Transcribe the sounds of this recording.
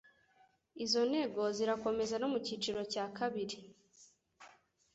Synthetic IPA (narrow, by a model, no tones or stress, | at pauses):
izo̞ne̞ɡo̞ziɾako̞me̞zano̞muciːt͡ʃiɾo̞caːkaβiɾi